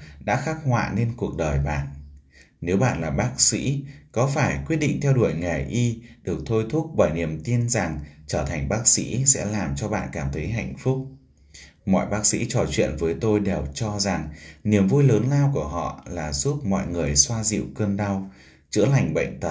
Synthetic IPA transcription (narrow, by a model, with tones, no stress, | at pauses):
ɗa̰ː˧˥xaː˦˥k̚hwa̰ː˧˨ne˧nku˨˩ək̚ɗəː˨˩jɓa̰ː˧˨n | ne˨˦wɓa̰ː˧˨nlaː˨˩ɓaː˦˥k̚sḭ˧˥kɔ˨˦faː˧˩jkwi˦˥t̚ɗḭ˧˨ŋ̟t̪ʰɛ˧wɗu˧˩əjŋɛ˨˩jʔi˧ɗɨ˨˩ək̚t̪ʰo˧jt̪ʰʊ˦˥k͡p̚ɓaː˧˩jni˨˩əmt̪i˧nza˨˩ŋt͡ɕəː˧˩t̪ʰa˨˩jŋ̟ɓaː˦˥k̚sḭ˧˥sɛ̰˧˥laː˨˩mt͡ɕɔ˧ɓa̰ː˧˨nkaː˧˩mt̪ʰə˨˦jɦa̰˧˨jŋ̟fʊ˦˥k͡p̚ | mɔ̰˧˨jɓaː˦˥k̚sḭ˧˥t͡ɕɔ˨˩t͡ɕwḭ˧˨ənvəː˨˦jt̪o˧jɗe˨˩wt͡ɕɔ˧za˨˩ŋni˨˩əmvu˧jləː˨˦nlaː˧wku˧˩əɦɔ̰˧˨laː˨˩zu˦˥p̚mɔ̰˧˨jŋɨ˨˩əjswaː˧zḭ˧˨wkəː˧nɗa˧w | t͡ɕɨ̰˧˥əla˨˩jŋ̟ɓə̰˧˨jŋ̟t̪ə˨˩